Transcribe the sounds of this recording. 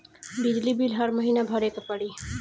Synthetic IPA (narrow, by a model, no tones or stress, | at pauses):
bid͡ʒlibilɦəɾməɦiːnabʱəɾeːkapəɽi